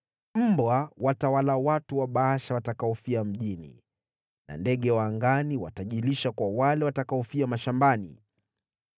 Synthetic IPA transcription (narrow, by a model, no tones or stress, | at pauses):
m̩bwawatawalawatuwaɓaaʃawatakaɔfiam̩ʄinḭ | na̰ndɛɠɛwaːŋɡaniwa̰taʄiliʃakwawalɛwatakaɔfiamaʃambanḭ